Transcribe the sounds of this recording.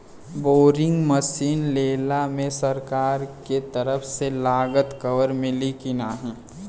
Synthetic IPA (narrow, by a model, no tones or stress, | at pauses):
boːɾɪ̃ŋɡməsiːnleːlamẽsɐɾkaːɾket̪ɐɾəfʰselaːɡət̪kɐʋəɾmɪ̃likɪnaːɦɛ̃ː